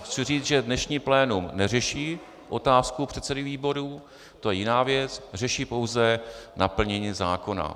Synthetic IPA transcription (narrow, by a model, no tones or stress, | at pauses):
xt͡sɪriːt͡sʒɛdnɛʃɲiːplɛːnumnɛrɛʃiː | ʔo̞t̪aːskupr̝̥ɛt̪sɛdɪviːbo̞ɾuː | t̪o̞jɛjɪnaːvjɛt͡srɛʃiːpo̞wzɛnapl̩ɲɛɲiːzaːko̞na̰